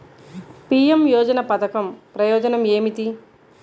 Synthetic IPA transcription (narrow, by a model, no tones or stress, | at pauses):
piːjemjɔːd͡ʒɐnɐpɐt̪ɐkɐmpɾɐjɔːd͡ʒɐnɐmeːmit̪i